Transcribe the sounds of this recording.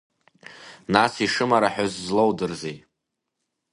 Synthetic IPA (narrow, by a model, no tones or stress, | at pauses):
nasiʂɨmaɾaħʊzzlowdɨrzej